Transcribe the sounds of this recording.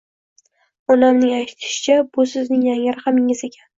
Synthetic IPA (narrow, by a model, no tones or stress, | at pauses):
ɒnamnɪŋajt̪ʰɪ̥ʃɪ̥t͡ʃʰabʊsɪznɪŋjaŋɪɾχamɪŋɪze̞kʲʰan